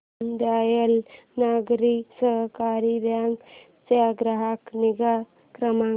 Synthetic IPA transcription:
nd̪aːjəlnaɡɾisəɦkaɾibaŋɡ | t͡ʃeaɡɾəɦakniɡa | kɾəmã

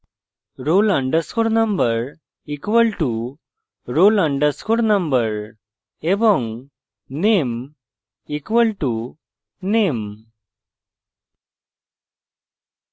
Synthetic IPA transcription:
ɾolãɖəskoɾnə̃mbəɾ | ikʋəlʈu | ɾolãɳɖəskoɾnə̃mbəɾ | ebɔ̃ŋ | nem | ikʋəlʈu | nem

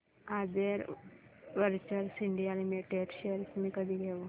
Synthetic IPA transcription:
ad̪eɾ | ʋəɾt͡ɕəɾsiɳɖialimeʈeɖɕeəɾsmiːkəd̪ʱiːɡʱeʋo

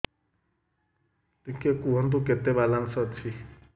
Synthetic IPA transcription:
t̪ikekuɦɔnd̪ukɛt̪ɛβalansɔt͡sʰi

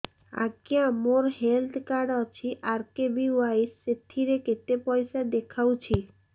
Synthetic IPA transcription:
a̰kiãmoɾhelt̪ʰkaɖat͡ɕʰiʔaɾkebiuaiset̪ʰːiɾeket̪epɔjsad̪ekʰawt͡ɕʰi

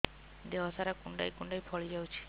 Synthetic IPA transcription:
d̪eʋɔsaɾakuɳɖa̰jkuɳɖajpʰɔɭid͡ʒawt͡ʃʰi̥

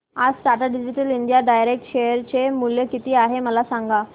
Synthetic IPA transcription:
ad͡zʈaʈaɖid͡ʑiʈəliɳɖjaɖajɾek̚ʈɕejəɾt͡ɕemuljəkit̪iːaɦeməlasãŋɡa

